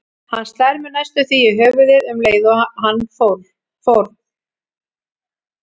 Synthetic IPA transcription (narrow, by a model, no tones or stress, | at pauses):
hanst̪ɛɾmɪnajst̪ʏθiɪɦœːvʏðɪðʏmleːjðɔhanːfo | fowɾð